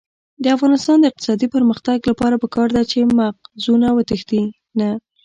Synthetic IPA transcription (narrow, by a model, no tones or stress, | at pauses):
d̪əafɣɑnɪst̪ɑnd̪əɪq̚t̪ɪ̥sɑd̪ipəɾməxt̪aɡlapɑɾapəkɑɾd̪at͡ʃemaq̚zunawət̪əxd̪i | na